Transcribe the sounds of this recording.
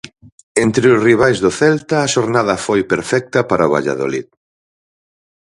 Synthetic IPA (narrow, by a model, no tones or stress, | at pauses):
ent̪ɾɪʊsriβ̞ajzðoθɛlt̪ɐːʃoɾnaðɐfojpeɾfɛk̚t̪ɐpaɾaoβa̰ʎa̰ðo̰lḭð